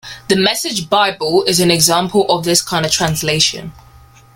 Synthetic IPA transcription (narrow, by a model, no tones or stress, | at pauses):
ðəmɛsɪd͡ʒbaɪbəlɪzə̃nɛɡzɑ̃ˑmpʰəlʔəvðɪskʰãɪ̃ndəv̥tʰɹ̥ãnsleɪʃə̰̃n